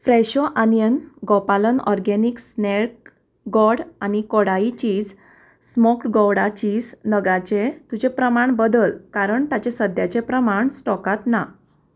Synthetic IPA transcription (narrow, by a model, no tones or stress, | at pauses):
fɾɛɕɔʔanjənɡɔpalənɔ̰ɾɡɛniksnek̚ | ɡɔɽanikɔɽait͡ɕiːd͡z | smɔkɡɔwɽat͡ɕiːd͡znəɡat͡ɕet̪ud͡ʑepɾəmaɳbəd̪əlkaɾəɳt̪at͡ɕesəd̪ʱjat͡ɕepɾəmaɳsʈɔkat̪na